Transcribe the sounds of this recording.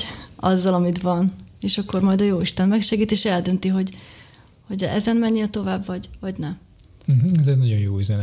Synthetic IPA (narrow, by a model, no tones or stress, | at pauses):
ɒ̰zːɒlɒmit̪ʋɒneːʃɒkːo̞rmɒjd̪ɒjoːiʃt̪ɛnmɛkʃɛɡiːt̪ieːʃɛld̪ø̞nt̪iɦo̞ɟ | ho̞ɟɛ̰zɛnmɛɲːelt̪o̞vaːbvɒɟvɒɟnɛm̩ | ɦ̩ɛzɛɟnɒɟo̞njo̰ːizɛn